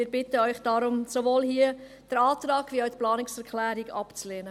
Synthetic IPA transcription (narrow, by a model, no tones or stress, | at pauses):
ɪːɾbɪtəœʏχd̥ɑɾʊmsoʋoːlhiə | d̥əɾɑːtɾɑːɡ̥ʋiːawtplɑːnɪksɛɾkʰlæːɾiɡɑpt͡sleːnə